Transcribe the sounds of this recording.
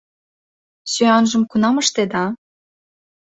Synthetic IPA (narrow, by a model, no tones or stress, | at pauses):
søɑnʒə̆mkunɑmə̆ʃt̪ed̪ɑ